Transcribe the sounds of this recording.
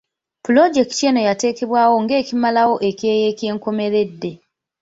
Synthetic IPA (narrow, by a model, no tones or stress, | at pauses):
pulod͡ʒe̞ktt͡ʃeno̞jate̞ːke̞βwaːwo̞ŋɡe̞ːcimalawo̞ʔe̞kje̞ːje̞ːcje̞ːŋko̞me̞ɾe̞dːe̞